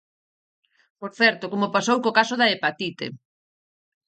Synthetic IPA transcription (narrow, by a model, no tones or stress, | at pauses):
poɾθɛɾt̪okomopasowkokasʊðaepat̪it̪ḛ